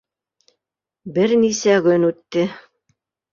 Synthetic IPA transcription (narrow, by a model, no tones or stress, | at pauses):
bɘɾnisæɡɵnʉt̪ːɘ